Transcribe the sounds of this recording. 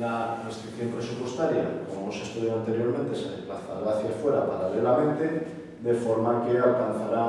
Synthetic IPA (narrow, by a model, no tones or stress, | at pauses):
narest̪ɾikθjo̞mpɾe̞supwe̞st̪aɾjakomoosest̪uðjaoant̪e̞ɾjo̞ɾment̪e̞seðeplaθa̰ɾaaθjafwe̞ɾapaɾalelamẽ̞nt̪e̞ | d̪efo̞ɾmakealkanθaɾa